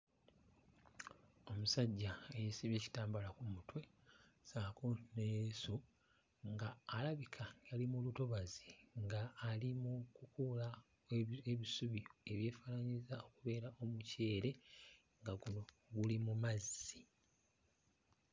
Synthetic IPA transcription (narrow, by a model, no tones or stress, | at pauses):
o̞musaɟːaejisiβe̞ːci̥taːmbalakumutwe̞saːkonesu | ŋɡaːlaβikʰajalimulutoβazi̥ŋɡaːlimukukula | eβisuβie̞βje̞ːfanaɲizao̞kuβe̞ːɾaʔo̞muce̞ːɾe̞ | ŋɡaɡuno̞ | ɡulimumazːi